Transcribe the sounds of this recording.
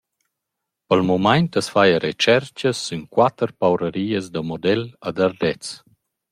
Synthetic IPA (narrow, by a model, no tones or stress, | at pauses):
pəlmumajntəsfajəɾet͡ʃɛɾt͡ʃəsːynkwat̪əɾpawɾəɾiːəzd̪əmɔd̪ɛlad̪aɾd̪ɛt͡s